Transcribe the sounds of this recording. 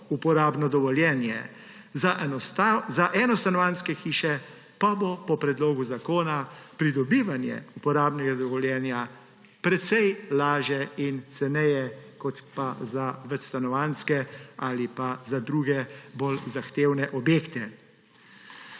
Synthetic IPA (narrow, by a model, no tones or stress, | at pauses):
upɔɾaːbnɔd̪ɔʋɔljɛːnjɛ | zaʔɔt̪azaʔɛnɔst̪anɔʋanskɛxiːʃɛ | pabopɔpɾɛd̪loːɡuzakoːnapɾid̪ɔbiːʋanjɛ̰upɔɾaːbnɛɡad̪ɔʋɔljɛːnja | pɾɛt̪sɛjlaːʒjɛint̪sɛnɛjɛkɔt̪pazaʋɛt͡ʃst̪anɔʋanskɛalipazad̪ɾuːɡɛbolzaxt̪eːwnɛʔɔbjeːkt̪ɛ